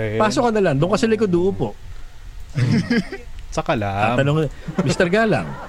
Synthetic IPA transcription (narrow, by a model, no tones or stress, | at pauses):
paːsokɐnɐlɐŋd̪ʊŋkɐsɐlɐk̬od̪uːʔʊpoʔ | t͡ʃɐkɐlaa̰ːɐnoŋɛmist̪ɛɾɡaːla̰ŋ